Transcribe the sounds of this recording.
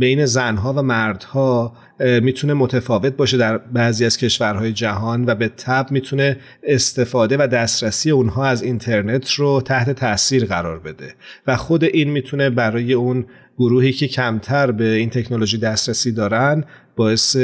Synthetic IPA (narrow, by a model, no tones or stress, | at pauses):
bejne̞zænɦɒːvæmæɾd̪̥hɒː | miːt̪ʰune̞mot̪ʰæfɒːve̞t̪̚bɒːʃe̞d̪æɾbæːziːæz̥cʰe̞ʃvæɾɦɒːje̞d͡ʒæɦɒːnvæbe̞t̪ʰːæbmiːt̪ʰune̞ː | st̪e̞fɒːd̪e̞væd̪æst̪ɾæsiːjeunɦɒːæzint̪ʰe̞ɾne̞t̪ʰrot̪ʰæht̪ʰe̞t̪ʰæʔsiːɾɣæɾɒːɾbe̞d̪e̞væxo̞d̪e̞ʔiːnmiːt̪ʰune̞bæɾɒːje̞un | ɡ̥oɾuːhiːcʰe̞cʰæmt̪ʰæɾbe̞int̪ʰe̞cʰnolo̞ʒijd̪æst̪ɾæsiːd̪ɒːɾæn | bɒːe̞se